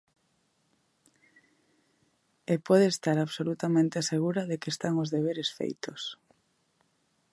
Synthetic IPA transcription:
epɔð̞eest̪aɾaβsolut̪amẽnt̪ɪaseɣ̞uɾaðekest̪aŋozðeβ̞eɾesfḛjt̪os

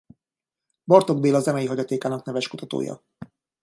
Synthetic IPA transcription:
bɒrt̪o̞ɡ̚beːlɒzɛmɛjiɦɒɟɒt̪eːkaːnɒknɛvɛʃkut̪ɒt̪o̰ːjɒ̰

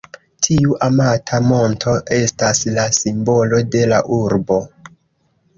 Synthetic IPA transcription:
tʰiuʔamatʰamo̞ntʰo̞ʔe̞staslasimbo̞lo̞de̞laʔuɾbo̞

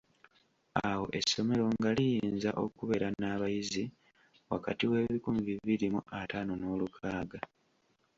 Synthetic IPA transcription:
awo̞̰ʔe̞sːo̞me̞ɾo̞ŋɡalijiːnzaʔo̞kuβe̞ːɾanaːβajizi | wa̰ka̰tiwe̞ːβikumiviβiɾimuʔataːnono̞ːlukʰaːɡa

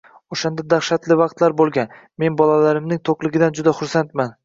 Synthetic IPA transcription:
oʃand̪ad̪aχʃat̪lɪvɑq̚t̪laɾbolˠɡʲan | me̞nbɒlalaɾɪmnɪŋt̪ʰoqlˠɪɡʲɪd̪and͡ʒʊd̪aχʊɾsant̪man

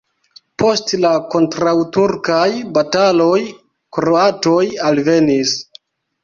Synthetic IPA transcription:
po̞stlako̞ntɾawtuɾkajbatalo̞j | kɾoato̞jalve̞nis

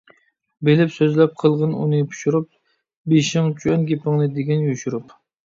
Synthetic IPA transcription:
belɪpsøzlɛp̚qʰəlˠʁənṵnɨpʰu̥ʃuɾup̚ | beʃɪŋt͡ʃʰyɛnɡʲepʰɨŋnɨd̪eɡʲɛnjuʃuɾup

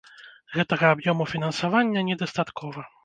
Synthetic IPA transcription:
ɣɛt̪ɐɣɐːbjɔmufʲinɐnsavanʲːɐnʲɛd̪ast̪at̪kʰɔvɐ

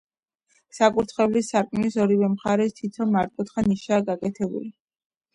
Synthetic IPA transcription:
sakʼuɾt̪ʰχɛvlisaɾkʼmnisɔɾivɛmχaɾɛst̪ʰit̪ʰɔmaɾt̪̚ʼkʼɔt̪χaniʃaːɡakʼɛt̪ʰɛbṵli

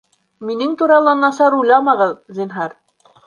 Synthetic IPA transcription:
minɘŋt̪uɾɑlˠɑnːɑsɑɾujlˠɑmɑʁɤðzinɦɑɾ

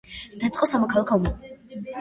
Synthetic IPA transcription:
d̪̥at̪sʼqʼɔsamɔkʰalˠakʰɔuma

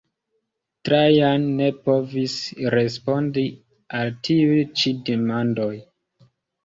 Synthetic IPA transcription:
tɾajanːe̞po̞visɾe̞spo̞ndi | altʰiujt͡ʃidemando̞j

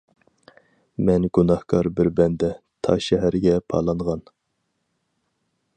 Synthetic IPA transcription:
mɛnɡunɑhkʰɑɾbɪɾbɛnd̪ɛ | t̪ʰɑ̰ʃɛɦæɾɡʲɛpʰɑ̰ːlˠɑɴʁɑn

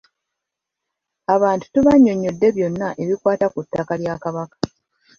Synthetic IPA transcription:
aβaːntu̥tuβaɲːo̞ɲːo̞dːe̞βjo̞nːaʔe̞βikwaːtakutːakaljaːkaβakḁ

